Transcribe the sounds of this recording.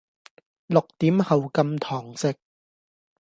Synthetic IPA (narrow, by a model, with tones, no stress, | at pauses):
lʊ˨k̚t̪iː˨˥mhɐ˨wkɐ˧mt̪ʰɔː˨˩ŋsɪ˨k̚